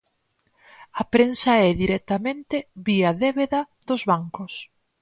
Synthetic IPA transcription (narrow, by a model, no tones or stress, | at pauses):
ɐpɾensɐɛðiɾɛt̪ɐmẽnt̪eβiɐðeβeðɐ | ðʊzβaŋkʊs